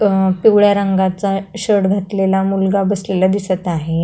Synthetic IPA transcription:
piwɭjaɾəŋɡat͡saɕəɽɡʱat̪lelamulɡabəslelad̪isət̪aɦe

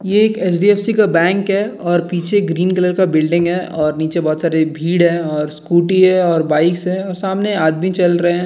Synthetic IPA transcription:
jeːkeːt͡ʃɖiːɛːfsikabɛ̃ːŋkɦɛːɔːɾpiːt͡ʃʰeɡɾiːnkələɾkabɪlɖɪ̃ŋɡɦɛʔɔːɾniːt͡ʃebɔːt̪saːɾebʱiːɽɦɛːɔːɾskuːʈiɦɛɔːɾbaːɪksɦɛɔːɾsaːmneaːd̪mĩt͡ʃɐlɾɐɦeɦɛ̃

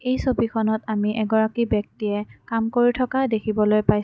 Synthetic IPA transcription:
ejsobikʰɔnɔtamiʔɛɡɔɹakibjɔk̚tiɛkamkoɹitʰɔkadekʰibɔlojpajs

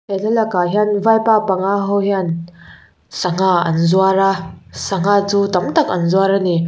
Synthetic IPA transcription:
elʰalakaɦjanvajpapaŋaɦɔwɦan | sɐŋaɐ̰nzuaɾasɐŋat͡sut̪ɐmt̪ak̚ɐnzuaɾani

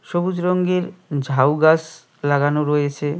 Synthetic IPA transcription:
ʃobud͡ʑɾoŋɡeɾd͡ʑʱawɡas | laɡanoɾojet͡ɕʰe

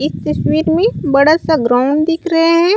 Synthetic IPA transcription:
ɪst̪ɐswiːɾmẽbɐɽasaɡɾaːʊɳɖd̪ɪkʰɾɐɦeɦɛ̃ː

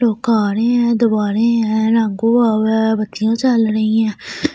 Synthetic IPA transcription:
ɾoːkaːɾẽːɛ̃ːd̪ʊbaːɾeːɛ̃ːɾãːŋɡõːaːwbət̪ːɪjãːt͡ʃəlɾəĩːɛ̃ː

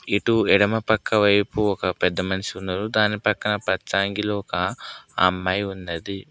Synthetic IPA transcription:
iʈuɛɽɐmɐpɐkːɐʋɐjpuɔkɐpɛd̪ːɐmɐnɐʃiund̪ɐɾud̪aːnːipɐkːɐnɐpɐtːsaːŋɡiloɔkɐɐ̰mːɐːjund̪ɐd̪i

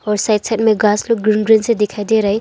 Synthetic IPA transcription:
ɔɾsajt̚sʰajt̚meɡasluk̚ɡɾinɡɾinsedekʰajdeɾaj

